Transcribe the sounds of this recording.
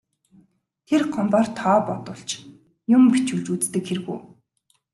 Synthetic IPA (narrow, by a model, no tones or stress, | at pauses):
t̪ʰerɢʰɔmpɔːrt̪ʰɔːpɔt̪ʊɬt͡ɕ | jʊmpit͡ɕuɮt͡ɕut͡st̪ɘ̆kxeɾɘ̆ɣṵː